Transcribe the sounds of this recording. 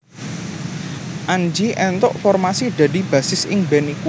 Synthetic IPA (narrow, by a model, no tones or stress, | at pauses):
ʔand͡ʒiʔɛnt̪ɔʔfɔrmasid̪̥ä̤d̪i̤b̥äsɪsɪŋbɛniku